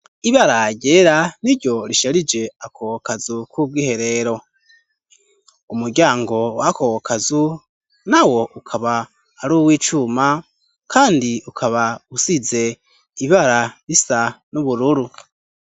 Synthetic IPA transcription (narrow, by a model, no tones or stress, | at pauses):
iβaɾaɟeːɾaniɾɟo̞ɾiʃaɾid͡ʒe̞akʰowokazukwub̚ɡiːhe̞ɾe̞ɾo̞ | umuɾɡɟaːŋɡo̞wakowokʰazu | nawo̞ʔukʰaβaː | ɾuːwiːt͡ʃuma | kʰaːndiukʰaβausize̞ | iβaɾaɾisanuβuɾuɾu